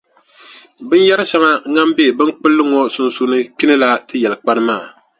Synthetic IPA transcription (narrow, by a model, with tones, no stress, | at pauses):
bɨ˦n˦jɛ˦ɾɨ˦ʃa˦ŋa˦ŋa˦mbe˦˨bɨ˦nk͡pɨ˦lːɨ˦ŋɔ˦sʊ˦nsu˦nɨ˦k͡pi˦nɨ˦la˦tɨ˦jɛ˨lɨ˨k͡pa˦nɨ˦maː˦˨